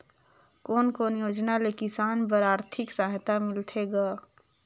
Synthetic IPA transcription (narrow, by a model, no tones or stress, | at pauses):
koːnkoːnjoːd͡ʒnalekɪsaːnpəɾaːɾt̪ʰɪksaɦt̪amɪlt̪ʰeɡaː